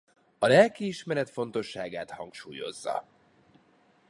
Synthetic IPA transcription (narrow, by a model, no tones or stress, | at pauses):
ɒlɛlkiiʃmɛɾɛt̪fo̞nt̪o̞ʃːaːɡaːt̪hɒŋkʃuːjo̞̰zːɒ̰